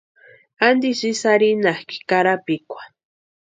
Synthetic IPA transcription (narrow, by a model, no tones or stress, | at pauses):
and̪isisaɾinahki̥kaɾapikʷḁ